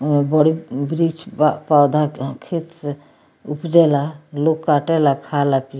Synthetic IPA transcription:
mebɔɽibɾit͡ʃpawd̪ʱakʰit̪s | upd͡ʒɛlalokːaʈɛlakʰalapi

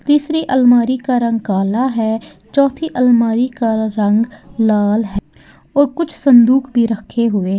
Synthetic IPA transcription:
t̪iːsɾiʔəlmaːɾikaɾə̃ŋɡ̚kaːlaɦɛː | t͡ʃɔːt̪ʰiʔəlmaːɾikaɾə̃ŋɡlaːlɦɛ | ɔːɾkʊt͡ʃʰsə̃nd̪uːkʰbʱiɾəkʰːeɦʊe

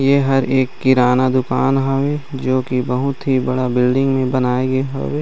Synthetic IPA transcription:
jeɦɐɾʔeːkːɪɾaːnad̪ʊkaːnɦɐʋeːd͡ʒoːkibɐɦʊt̪ɦibɐɽabɪlɖɪ̃ŋɡmẽbɐnaːeɡeɦɐ̰ʋeː

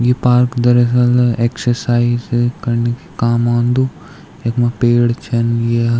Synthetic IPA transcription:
jepaːɾkd̪ɐɾəsɐleːksəɾsaːizkɐɾnekʰikaːmãːnd̪u | ekmãpeːɽt͡ʃʰɐnje

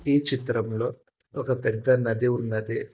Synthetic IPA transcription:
iːt͡ʃit̪ɾɐmlo̞ː | ɔkɐpɛd̪ːɐnɐd̪iunːɐd̪i

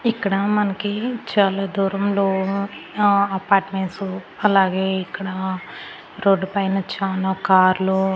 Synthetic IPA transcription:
ikːɐɽɐmɐnɐkit͡ʃaːlaːd̪uːɾɐmloː | ɐpaːɾʈmeɳʈsu | ɐlaːɡe̞ːikːɐɽa | ɾoːɖːupɐjnɐt͡ʃaːlaːkaːɾlu

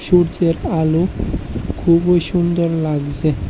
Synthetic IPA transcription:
ʃuɾd͡ʑeɾalu | kʰubojʃund̪oɾlaɡd͡ʑe

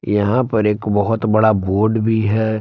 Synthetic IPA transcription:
jɐɦãpɐɾeːkbɐɦʊt̪bɐɽaboːɾɖbʱiɦɛː

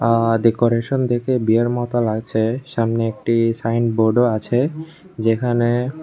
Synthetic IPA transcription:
aɖekoɾeʃond̪ekebieɾmɔt̪olaɡt͡ɕʰeʃamneek̚ʈisajnboɾɖoat͡ɕʰe | d͡ʑekʰane

